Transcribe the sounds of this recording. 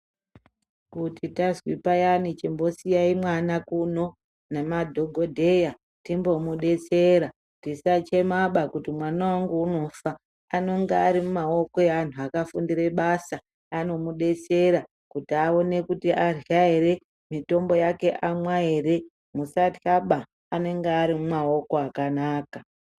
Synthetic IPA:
kutitazwipajanit͡ʃimbo̞sijaimwanakuno̞ | nemadʱo̞ɡʱo̞dʱe̞ja | timbo̞muɗe̞t͡se̞ɾa | tisat͡ʃe̞maɓakutimwanawaŋɡuuno̞faː | no̞ŋɡeaɾimumao̞ko̞eʋan̤uakafundire̞ɓasa | ano̞muɗe̞t͡se̞ɾa | kutiao̞ne̞kutiʔarjaeɾe̞ | mito̞mbo̞jake̞ʔamwaeɾe̞ | musataɓaː | ne̞ŋɡeaɾimumao̞ko̞akanaːka

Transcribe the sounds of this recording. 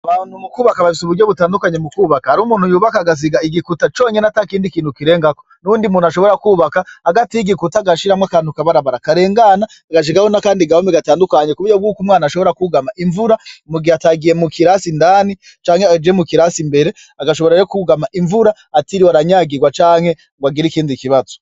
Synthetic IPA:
aβaːnhumukuːβakaβafisuβuɾɟo̞βutaːndukaɲemukuβakahaɾumuːn̥hujuːβakaɡaz̬iɡaiɡikutat͡ʃo̞ːɲenatakiːndikiːn̥hukiɾe̞ːŋɡakonuuːndimunaʃo̞βo̞ɾakuːβakahaɡatijiɡikutaɡaʃiɾamwakaːnhukaβaɾaβaɾakaɾe̞ːŋɡanaːɡaʃ̬iɡahonakaːndiɡahomiɡataːndukaɲekuβujob̚ɡuːkumŋaːnaʃo̞βo̞ɾakuɡamaʔiɱvuɾamuɡiataɡije̞mukiɾasindaːni | t͡ʃaːŋhe̞ad͡ʒemukiɾasimbe̞ɾe̞ | aɡaʃoβo̞ɾaekuɡamaʔiɱvuɾaːtiɾiwaɾaɲaːɡiɡwat͡ʃaːŋ̥he̞ | ɡwaɡiɾikiːndikiβazo̥

